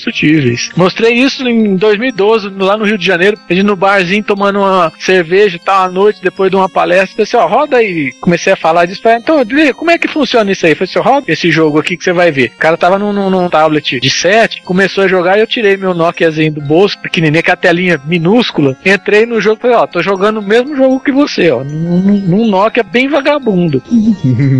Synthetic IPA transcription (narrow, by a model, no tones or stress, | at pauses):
sut͡ʃivejsmost̪ɾejisʊẽd̪ojzmiwid̪ozɪlanʊhiwd͡ʒɪʒɐnejɾʊped͡ʒinʊbaɾzĩɲʊt̪omɐ̃d̪ʊũmɐseɾveʒɐt̪aw̃anojt͡ʃɪd̪epojzd̪ũmɐpalɛst̪ɐɾfoseɔɦɔd̪ɐikõmesejɐfalaɾd͡ʒisʊ̥falẽnt̪ɐ̃w̃veɐkõmʊɛkɪfũsiõnɐisaifosɔɦɔd̪ɐesɪʒoɡʊakikɪ̥sevajveʊkaɾɐt̪avɐnʊ̃nũnũt̪ablet͡ʃɪd͡ʒɪsɛt͡ʃɪ̥kõmesoɐʒoɡaiewt͡ʃiɾejmewnɔkʲɪɐzĩɲʊd̪ʊbosʊ̥pɪ̥keninĩɐkɛlɐt̪ɛlĩɲɐmĩnuskʊlɐẽnt̪ɾejnʊʒoɡʊɪfalejɔt̪oʒoɡɐ̃nd̪ʊmezmʊʒoɡʊkɪvoseɔnũnũnũnɔkɪɛbẽj̃vaɡabũnd̪ʊ